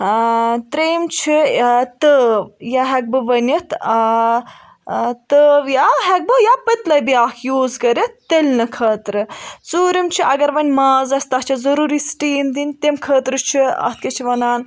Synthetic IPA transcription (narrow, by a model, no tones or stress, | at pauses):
t̪ɾeːmt͡ʃʰit̪əːʋjaɦɐk̚bɨʋɐnʲit̪ʰ | t̪əːʋjaɦɐk̚bɨjaːpɐt̪lɐjbijaːkʰjuːzkɐɾʲit̪ːelʲnɨkʰɐːt̪ɾɨt͡suːɾimt͡ʃʰiʔɐɡɐɾʋɐnʲmaːzɐst̪ɐt͡ʃʰɐzɐɾuːɾisʈiːmd̪inʲt̪emkʰəːt̪ɾɨt͡ʃʰiɐ̰t̪̚ʰkɐt͡ʃʰiʋɐnaːn